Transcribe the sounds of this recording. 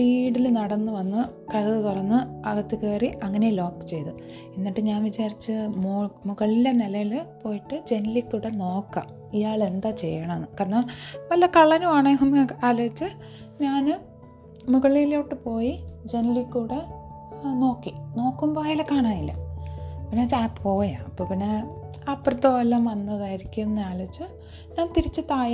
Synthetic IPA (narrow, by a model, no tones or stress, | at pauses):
biːɽilnɐɽɐnːɨʋɐnːɨ | kɐɻɐðɨt̪urɐnːɨɐɣɐt̪ːikeːriʔɐŋːɐnelo̞ːkːɨ̥t͡ɕe̞jt̪u | inːiʈːɨɲaːnʋit͡ɕaːrit͡ɕːɨmoːmuɣɐɭilenelɐjilpo̞ːjiʈːɨd͡ʑe̞nlikʲːuɽeno̞ːkːa̰ːm | ijaːɭe̞nd̪aːt͡ɕe̞̰jːɐɳɐmenːɨkaːrɐɳɐmʋɐlːɐkɐɭːɐnuaːɳeɐmaːloːit͡ɕːɨ | ɲaːnɨ | muɣɐɭilo̞ːʈːɨpo̞ːjid͡ʑe̞nlikʲːuɽe | no̞ːkːino̞ːkːumbaːjilɨkːaːɳaːjilːɐ̰ | pinːet͡ɕaːppo̞ːja̰mɐpːoːpinːe | ɐpːrɐt̪ːoʋɐlːɐmʋɐnːɐðaːjiɾikʲːunːɨaːloʋit͡ɕːɨ | ɲaːnt̪iɾit͡ɕːɨt̪aːj